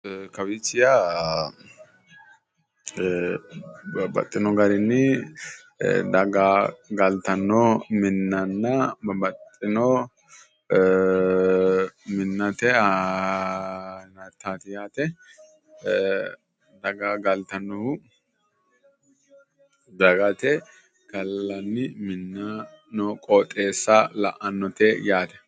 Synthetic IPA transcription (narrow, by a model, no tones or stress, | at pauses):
kɐwit͡ʃːɪja | bɐbɐ̰t̪ʼːɪnɔɡɐɾɪnːɪ̰ | d̪ɐɡaːɡɐlt̪ɐnːɔmɪnːɐnːɐɐbɐt̪ʼːɪnɔ | mɪnːɐt̪ɛa | nɐt̪ːaːt̪ɪjaːt̪ɛ | d̪ɐɡaɡɐlt̪ɐnːɔʊ | d̪ɐɡɐt̪ɛ | ɡ̥ɐlːɐnːɪmɪnːa | nɔkʼoːt̪ʼːeːsːɐlɐʔɐnːɔt̪ɛjaːt̪ɛ̥